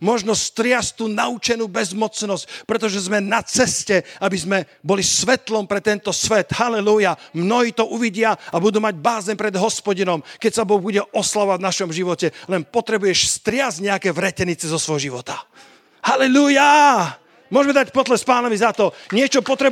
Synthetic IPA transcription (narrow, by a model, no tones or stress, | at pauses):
mɔʒnɔst̪ɾɪast̪uːnaut͡ʃɛnuːbɛzmɔt͡snɔsc̚pɾɛt̪ɔʒɛzmɛnat͡sɛscɛabizmɛbɔlisʋɛt̪lɔmpɾɛt̪ɛnt̪ɔsʋɛt̪halɛlujamnɔɦiːt̪ɔʔuʋiɟɪaabud̪uːmaɟbaːzɛnpɾɛd̪ɦɔspɔɟinɔmkɛcsabɔɣbuɟɛɔslaʋavnaʃɔmʒiʋɔcɛlɛnpɔt̪ɾɛbujɛʃst̪ɾɪazɟɲɛakɛːʋɾɛcɛnit͡sɛzɔsʋɔɦɔʒiʋɔt̪a | halɛluja | mʊɔʒmɛd̪acpɔd̪lɛspaːnaʋizat̪ɔɲɪɛt͡ʃɔpɔt̪ɾɛ